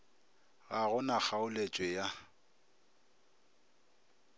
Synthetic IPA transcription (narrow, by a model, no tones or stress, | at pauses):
ɣaɣʊnak͡xʰaʊlet͡ʃʼwɛja